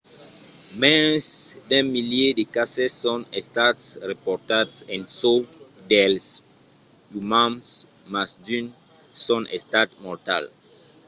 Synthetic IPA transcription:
mɛsdɛ̃miljedekasɛsɔ̃nɛstatsɹɛpɔtadsɛ̃nso | dɛls | jumãmsmasdynsɔ̃nʔɛstatmɔɹta̰l

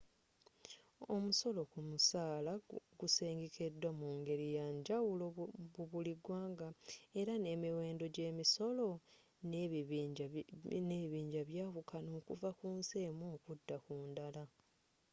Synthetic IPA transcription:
o̞muso̞lo̞kumusaːlaɡuse̞ːŋɡeke̞dːwamuːŋɡe̞ɾijaːɲɟawuloβuβuliɡwaːŋɡae̞ɾane̞ːmiwe̞ːndo̞ɟe̞ːmiso̞lo̞ | ne | neiβiːɲɟaβjaːβukano̞ːkuvakuːnseːmoːkudːakuːndala

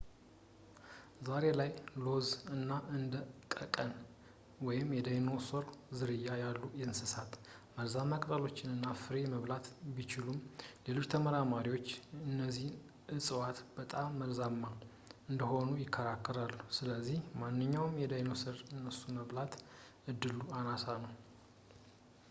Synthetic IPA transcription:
zaɾe̞lajlo̞zɨnːaʔɨnd̪əkʼəkʼən | wɔjɪmjɛd̪ajno̞soɾzɨɾɨjːajalːujɛnsɨsat̪məlzamːakʼət̪ʼəlo̞t͡ʃːɪnɨnːafɨɾeməβlat̪bit͡ʃɪlumle̞lo̞t͡ʃːt̪ʰəməɾamaɾiwo̞t͡ʃːɨnːəzːih | ʔɨsʼɨwat̪b̥ət̪ʼamːəlzamːa | ɨnd̪əɦo̞nujɪkʰːəɾakːɨɾalːusɨləzːihmanːɨɲːawmjɛd̪ajnosɨɾɨnːəsːuməβlat̪ | ɨd̪ːɨluanasanəw

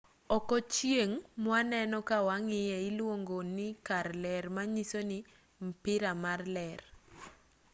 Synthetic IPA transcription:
ɔkɔt͡ʃjeŋmwanɛnɔkawaŋɪjɛɪlwoŋɡonɪkaɾlɛɾmaɲisonɪ | mpɪɾamarlɛr

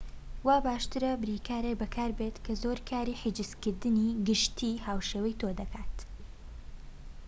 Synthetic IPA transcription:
waːbaːʃt̪ɨɾɐbɨɾiːkʰaːɾekbɐkʰaːɾbet̪kʰɐzoːɾkʰaːɾiːħid͡ʒɨskɨɾd̪ɨniɡɨʃt̪ʰiːhaːwʃeːwɛjt̪ʰoːd̪ɐkʰaːt̪

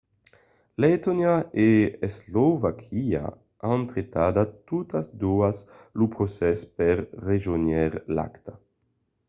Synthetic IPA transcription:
let̪onjaeeslovakʰia̰ | ant̪ɾet̪ad̪at̪ut̪asd̪uas | lupɾosɛspɛɾːeʒonjɛɾla̰kt̪a

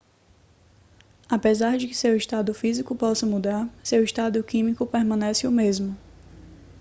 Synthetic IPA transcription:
apezaɾd͡ʒɪkɪsewɪʃt̪ad̪ʊfizikʊpɔsɐmud̪aɾsewiʃt̪ad̪ʊkĩmikʊpeɾmɐ̃nɛsɪʊmezmʊ

